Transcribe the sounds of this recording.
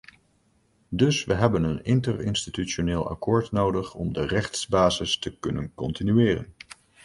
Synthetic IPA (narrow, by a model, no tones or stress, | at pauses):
dɵsʋəɦɛbənənɪntərɪ̰nstityt͡ʃoneːlˠɑ̰koːɹtnowdəχɔ̰mdərɛχtsbaːzɪstəkɵnənkɔntinyɪːrə̰n